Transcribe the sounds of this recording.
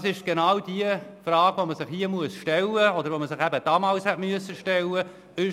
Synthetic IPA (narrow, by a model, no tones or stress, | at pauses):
sɪʃɡ̥enɑwd̥iəfrɑːɡ̥voməsɪχhiəmuəsʃtɛlːəɔd̪əɾvʋoməsɪχæbəd̥ɑːmɑːlshɛtmyəsːəʃtɛlːə | ɪ